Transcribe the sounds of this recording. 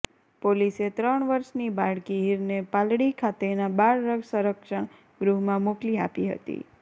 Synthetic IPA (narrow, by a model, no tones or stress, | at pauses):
poliset̪ɾəɳʋəɾʃnibaɽkiɦiɾnepalɽikʰat̪enabaɾːəɡsəɾəkʃəɳ̃ | ɡɾuɦmãmukliapiɦə̰t̪ḭ